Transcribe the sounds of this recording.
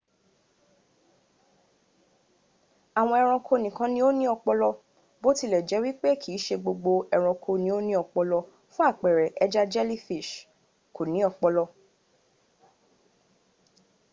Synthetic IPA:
a˨w̃ɔ̃˧ɛ˧ɾ̃ɔ̃˧kʰo˧nĩ˨kã˧nĩ˧˦o˦nĩ˦ɔ˧k͡pɔ˧lɔ˧ | bo˦ti˧lɛ˨d͡ʒɛ˨˦wi˦k͡pe˦kʰi˨˦˨ʃe˧ɡ͡bo˧ɡ͡bo˧ɛ˧ɾ̃ɔ̃˧kʰo˧nĩ˧˦o˦nĩ˦ɔ˧k͡pɔ˧lɔ˧ | fũ˦a˦˨k͡pɛ˨ɾɛ˨ʔɛ˦d͡ʒa˦d͡ʒɛ˦li˦fi˦˨ʃ | ko˨nĩ˨˦ɔ˧k͡pɔ˧lɔ˧

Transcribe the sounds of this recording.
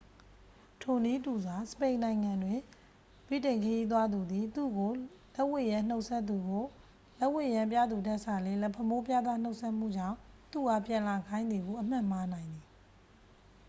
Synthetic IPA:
tʰo˨ni˦tu˨za˨sə̥pẽ˨ɪ̃nã˨ɪ̃ŋã˨ndwɪ̃˨ | bḭ˦˨tẽ˨ɪ̃ŋkʰə˨ji˦t̪̬wa˦d̪u˨d̪i˨t̪ṵ˦˨ɡo˨ | lɛ˦ʔwɪ˦˨jã˦˨n̥o˦ʊʔsʰɛ˦t̪ːu˨ɡo˨ | lɛ˦ʔwɪ˦˨jã˨mp̬ja̰˦˨d̪u˨dɛ˦ʔsa˨lɪ̃˦lɛ˦pʰə˦mo˦pja˦d̪ða˦n̥o˦ʊʔsʰɛ˦ʔm̥ṵ˦˨d͡ʑã̰˦˨ | t̪u˦˨ɡa˦˨pjã˨la˨ɡã˦ɪ̃nd̪ði˨ɡo˨ʔəm̥ã˦˨m̥a˦nã˨ɪ̃nd̪ði˨

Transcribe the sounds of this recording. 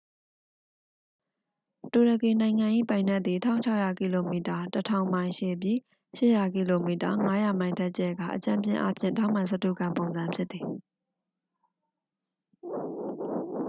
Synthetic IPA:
to˨ɾə˨ki˨nã˨ɪ̃ŋã˨ʔḭ˦˨pã˨ɪ̃nɛ˦ʔ̪t̪ði˨tʰã̰˦ʊ̃t͡ɕʰa˦ʊʔja˨ki˨lo˨mi˨ta˨tətʰã˦˨ʊ̃mã˨ɪ̃ʃe˦˨p̬ji˦˨ | ʃɪ˦ʔja˨ki˨lo˨mi˨ta˨ŋa˦ja˨mã˨ɪ̃ndɛ˦ʔ̚t͡ɕɛ˦˨ɡa̰˦˨ʔət͡ɕã̰˦˨mpjɪ̰̃˦˨ʔa̰˦pʰjɪ̰̃˦˨ntã˦ʊ̃mã˨sə˦tṵ˦˨kã˨mpõ˨ʊ̃nzã˨mpʰjɪ˦t̪t̪θi˨

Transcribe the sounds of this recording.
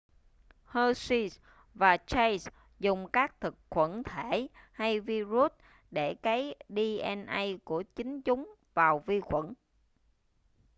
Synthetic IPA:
həː˧si˧s | vaː˨˩t͡ɕa˧js | zʊ˨˩ŋ͡mkaː˦˥k̚t̪ʰɨ˨˩k̚xwə˧˩nt̪ʰe˧˩˨ha˧jvi˧zu˦˥t̚ | ɗe˧˩kaː˨˦jɗi˧ʔɛ˧nʔə˧jku˧˩ət͡ɕï˨˦ŋ̟t͡ɕʊ˨˦ŋ͡m | vaː˨˩wvi˧xwə̰˧˩n

